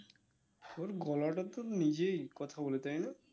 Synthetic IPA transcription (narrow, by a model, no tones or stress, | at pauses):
oɾɡɔlaʈat̪ɔnid͡ʑejkɔt̪ʰabolet̪ajna